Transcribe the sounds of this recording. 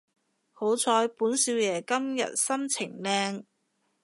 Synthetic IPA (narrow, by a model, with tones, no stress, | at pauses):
ho˨˥wt͡sʰɔː˨˧˥jpuː˨˥nsiː˧wjɛː˨˩kɐ˥mjɐ̰˨t̚sɐ˥mt͡sʰɪ˨˩ŋlɛː˧ŋ